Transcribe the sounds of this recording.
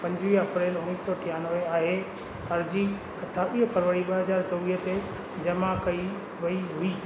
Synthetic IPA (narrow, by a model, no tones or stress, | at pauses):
pɐ̃ɲd͡ʑʋiːɦɐpɾeːlʊ̃ŋiːsɔʈʰɪjanəʋeaːɦe | ɐɾd͡ʑi | ɐt̪ʰːaɓiːɦəpʰɐɾʋəɽiɓɐɦɐzaːɾt͡ɕɔʋiːɦət̪e | d͡ʑɐmakɐi | ʋɐiɦʊiː